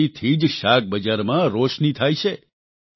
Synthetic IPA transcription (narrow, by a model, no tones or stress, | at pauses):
it̪ʰid͡ʒʃak̚bəd͡ʒaɾmãɾoʃnit̪ʰajt͡ʃʰe